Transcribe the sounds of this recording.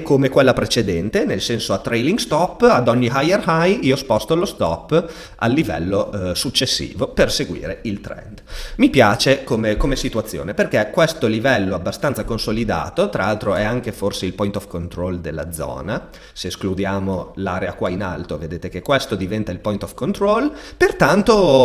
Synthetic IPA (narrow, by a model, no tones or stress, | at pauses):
komekwelːapɾet͡ʃed̪ɛnt̪enelsɛnsoat̪ːɾejliŋɡst̪ɔpːad̪ɔɲːiɦajerhajiɔspɔst̪olost̪ɔpː | a̰lːivɛ̰lːosut͡ʃːesːḭːvoperseɡwḭːɾeilt̪ɾɛ̰nd̪mipjaːt͡ʃekomekomesit̪uat̪sːjo̰ːneperkɛkːwest̪olivɛlːoabːast̪ansakonsolid̪a̰ːt̪ot̪ɾaalt̪ɾoɛaŋk̟eforseilpɔjnt̪ɔfkont̪ɾɔld̪elːa̰d̪zɔ̰ːna | seːsklud̪jaːmolaːɾeakwaina̰lt̪oved̪eːt̪ek̟ekːwest̪od̪ivɛnt̪ailpɔjnt̪ɔfkont̪ɾolpert̪ant̪o